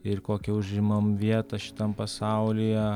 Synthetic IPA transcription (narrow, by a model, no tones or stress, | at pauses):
ɪrkoːkʲɛʊʒʲɪmɐmʋʲiɛt̪ɐʃʲɪ̥t̪ɐmpɐsɐʊlʲijɛ